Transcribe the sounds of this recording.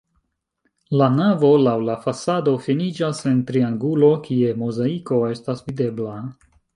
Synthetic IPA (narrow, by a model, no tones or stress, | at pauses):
lanavo̞lawlafasado̞finid͡ʒase̞ntɾiaŋɡulo̞kie̞mozaiko̞e̞stasvide̞bla